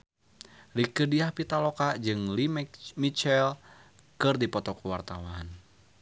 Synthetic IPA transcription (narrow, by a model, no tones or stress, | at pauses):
likədiahpit̪alɔkad͡ʒɨŋlimit͡ʃɛl | kɨrdipɔt̪ɔkuwart̪awaːn